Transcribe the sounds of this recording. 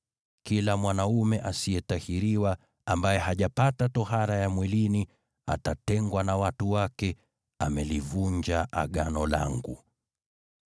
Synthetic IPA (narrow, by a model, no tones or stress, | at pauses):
kilamwanaumɛʔasijɛtahiɾiwa | ambajɛɦaʄapatatɔɦaɾajamwɛlini | a̰tatɛŋɡwanawatuwakɛ | amɛlivuɲd͡ʒaʔa̰ɠanɔla̰ŋɡṵ